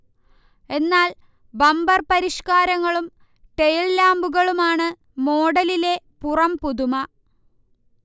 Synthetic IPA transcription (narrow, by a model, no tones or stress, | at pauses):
e̞nːaːl | bɐmbɐrpɐɾiʂkaːɾɐŋːɐɭum | ʈejllaːmbuɣɐɭumaːɳɨ | mo̞ːɽɐlile̞ | purɐmpuðumɐ